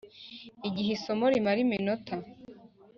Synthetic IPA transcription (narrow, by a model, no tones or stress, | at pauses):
iɡiɦiso̞moɾimaɾiminotʰa